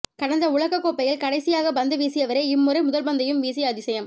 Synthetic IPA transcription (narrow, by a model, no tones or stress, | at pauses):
kɐɽɐnd̪ɐʊɭɐɣɐkːoːpːɐjɪlkɐɽɐɪsɪjaːɣɐbɐnd̪ɯʋiːsɪjɐʋɐɾeɪɪmːʊɾɐɪmʊðɐlbɐnd̪ɐjɯmʋiːsɐjɐðɪsɐjɐm